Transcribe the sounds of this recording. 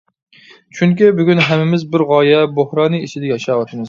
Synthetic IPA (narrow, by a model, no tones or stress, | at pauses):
t͡ʃʰyŋkʲibyɡʲynɦɛmːɪmɪzbɪɾʁɑːjɛbohɾɑːnɨit͡ʃʰɪd̪ɛjɑʃɑːwɑʃʰmɨz